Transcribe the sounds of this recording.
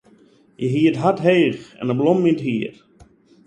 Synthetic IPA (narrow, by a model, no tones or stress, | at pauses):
jəɦiətɦatɦeːxɛ̰nəblɔmːintɦiət